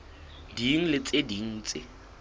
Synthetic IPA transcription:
diŋ̩lɪt͡sʼediŋ̩ːt͡sʼɪ̰

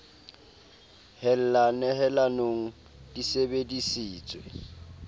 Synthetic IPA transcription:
hɛl̩lanɛɦɛlanoŋ̩ | d̥isebedisiːt͡sʼwe

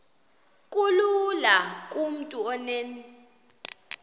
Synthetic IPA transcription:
kʼululakʼum̩tʼuɔneni

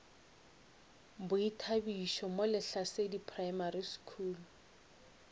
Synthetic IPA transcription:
bʊitʰabiʃɔmolɪɬasedipʰrajmariskʰuːlu

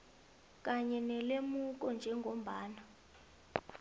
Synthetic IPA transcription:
k̬ʼaɲɛnɛlemuk̬ɔnd͡ʒʱɛŋɡʱom̩baːna

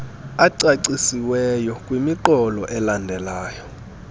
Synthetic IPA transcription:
aǀaǀisiwɛjɔkʼwimiǃɔlɔʔɛlandʱɛlaːjɔ

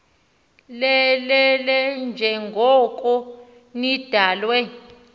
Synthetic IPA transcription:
lɛlɛlɛnd͡ʒʱɛŋɡʱɔkʼɔ | nid̥ʱaːlwɛ

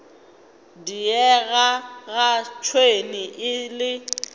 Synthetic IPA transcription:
diɛɣaɣat͡ʃʰwenɪʔɪlɪ

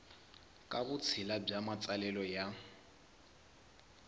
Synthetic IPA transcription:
kʼabʊt͡sʰɪlab͡ʐamat͡sʼalɛlɔja

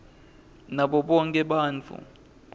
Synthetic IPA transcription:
naɓɔɓɔŋkʼɛɓaːnt͡fʰṵ

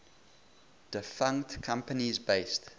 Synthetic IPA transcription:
d̥ɪfãŋktkʰãmpənizbeɪst

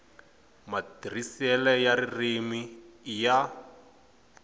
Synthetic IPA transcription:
madr̤isɛlɛjaɾirimija

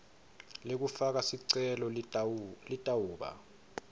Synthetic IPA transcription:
lek̬ufak̬asiǀɛlɔ | litʼawuːɓa̰

